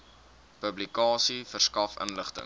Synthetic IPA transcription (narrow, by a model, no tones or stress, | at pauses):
pəblikɑːsifərskɐfə̰nləχtə̰ŋ